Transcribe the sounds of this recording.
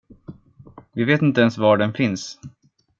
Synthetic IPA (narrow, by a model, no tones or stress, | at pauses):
vɪveːt̪ɪnt̪əɛnsvɑːɖɛnfɪns